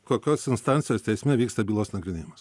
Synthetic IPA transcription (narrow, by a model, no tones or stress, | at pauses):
koːkʲoːsɪnst̪ɑnʲtsʲɪjoːst̪ʲɛɪsʲmʲɛʋʲiːkst̪ɐbʲilˠoːsnɐɡɾʲɪnʲeːjɪmɐs